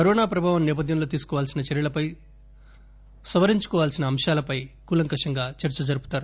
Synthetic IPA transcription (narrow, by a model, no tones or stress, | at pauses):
kɐɾɔːnaːpɾɐbʱaːʋɐmnɛːp̬ɐd̪ʱjɐmloːt̪̬iːsu̥kɔːʋaːlsinɐt͡ʃɛɾjɐlɐpɐj | sɐʋɐɾiɲt͡ʃu̥kɔːʋaːlsinɐːmʂaːlɐpɐjkuːlɐŋkɐʂɐŋɡaːt͡ʃɐɾt͡ʃɐd͡ʒɐɾupu̥t̪aːɾu